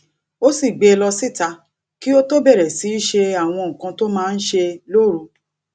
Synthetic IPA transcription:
o˦si˦˨ɡ͡be˧lɔ˧si˦˨ta˧ | ki˦o˦to˦bɛ˦˨ɾɛ˨si˨˦ʃe˧a˨w̃ɔ̃˧ŋ̩˨kã˧to˦mãː˦˧n̩˦ʃe˧lo˦˨ɾu˧

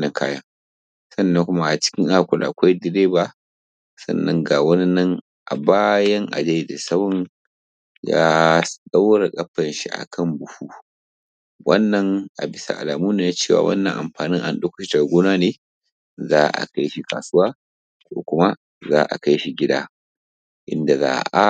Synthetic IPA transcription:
nɐ˨ŋkʰa̰ː˦jɐ˦ | sɐ˦˨nːɐ˦ŋkʷʊ˦ma˦ʔa˨t͡ʃɪ̥˦kʲɪ˦ŋʔa˦˨kʷʊ˨lʔa˨kʷa˦jdɪ˨ɾeː˦baː˨ | sɐ̰˦˨nːɐ˦ŋɡa˨wɐ˦nɪ˦nːɐ˦ŋ | ʔa̰˨baː˦jɐ˦ŋʔa̰˨d͡ʒe˦jda˨sɐ˦wɔ˦n | ja̰ː˦ɗa˦wɽa˨kʼɐ˦ɸːɐ˨nʃi˦ʔa̰˨kʰɐ˦mbʊ˨ɸuː˦ | wɐ˦nːɐ˨ŋʔa˨bɪ˦sa̰˨ʔa̰˨laː˨muː˦neː˨na˦t͡ʃeː˦˨wa̰ː˨wɐ̰˦nːɐ̰˨ŋʔa˨mɸaː˨nɪ˦ŋʔa̰˨nɗo˦kʊ̥˦ʃi˦tɐ˨rɡʷoː˦naː˦neː˦ | zaː˦ʔa̰˨ka˦jʃi˦ka̰ː˨sʊ˦waː˦ | soː˨kʷʊ˦ma˦ | zaː˦ʔa̰˨ka˦jʃi˦ɡʲɪ˦da̰ː˦ | ʔɪ̰˦nda˨za̰ː˦ʔa˦

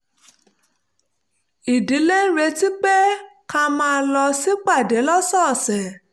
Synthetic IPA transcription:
i˨di˨˦le˦n̩˦ɾe˧ti˦k͡pe˦kã˧mãː˦˧˦lɔ˧si˦k͡pa˦˨dɛ˨˦lɔ˦sɔ˦˨sɛ˨

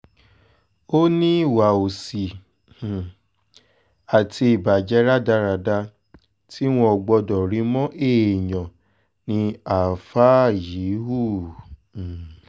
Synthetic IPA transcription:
o˦nĩ˦˨wa˨o˨si˨ | a˨tʰi˧i˨ba˨d͡ʒɛ˧˦ɾa˦da˧ɾa˨da˧ | ti˦w̃ɔ̃˧ɔ˨ɡ͡bɔ˧dɔ˨ɾĩ˨˧˦mɔ̃˦ʔe˦˨ɲɔ̃˨ | nĩ˧a˨fa˦˨ji˨˦ɦu˦˨

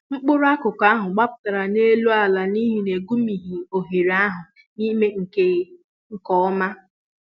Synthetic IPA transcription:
ŋ͡m̩˦k͡pʊ˦ɾʊ˦a˦kʊ˨ka˦ɦʊ˨ɡ͡ba˦pʊ̥˨ta˨ɾa˨ne˦lu˦a˨la˨ni˦ɦi˨ne˨ɡu˦mi˨ɦi˨o˨ɦe˨ɾa˦ɦʊ˨ | ni˦me˦ŋ̩˨ke˦ | ŋ̩˨kɔ˦ɔ˦ma˦

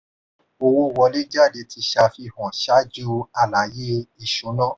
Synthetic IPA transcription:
o˧˨wõ˧˨wɔ˧˦le˦d͡ʒa˦˨de˧tʰi˧˦ʃa˧fi˧˨hɔ̃˨ʃa˨˦d͡ʒu˦a˨la˨˦je˦i˦˨ʃu˨˦nãː˦˨

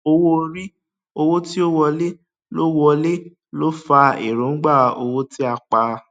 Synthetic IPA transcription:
o˧wo˦˧ɾi˦ | o˧wo˦ti˦o˦wɔ˧le˦ | lo˦wɔ˧le˦ | lo˦fa˧ḛ˨ɾõ˨˦n̩˦ɡ͡ba˦˨o˧wo˦ti˦a˧k͡pa˧

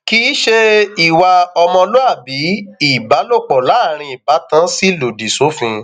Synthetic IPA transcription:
ki˦ʃe˦i˨wa˧ɔ˧mɔ̃˧lo˦a˦˨bi˨˦i˦˨ba˨˦lo˦˨k͡pɔ˨la˨˦˨ɾ̃ĩ˧i˨ba˨˦tã˦si˦lo˨di˨so˨˦fũ˧

